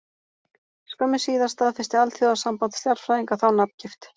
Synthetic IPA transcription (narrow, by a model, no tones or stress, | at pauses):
skœmɪsiːðast̪aːðfɪ̥st̪ɪalt̪θjɔwðasampant̪st̪jaɾ̥fɾaːðiŋkaθawnapn̥cɪft̪